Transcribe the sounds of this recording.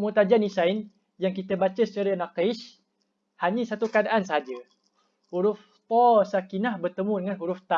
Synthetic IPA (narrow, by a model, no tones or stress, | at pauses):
mut̪ad͡ʒanisajn | jaŋkit̪əbat͡ʃəsət͡ʃaɾənakejʃ | haɲəsat̪ukadaʔansəɦad͡ʒə | huɾʊf | t̪ɔsakinahbərt̪əmũdəŋanɦuɾʊft̪a